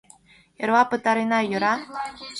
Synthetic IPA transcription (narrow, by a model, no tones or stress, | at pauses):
jɤ̆ɾwɑpɤ̆t̪ɑɾinɑjɤ̆ɾɑ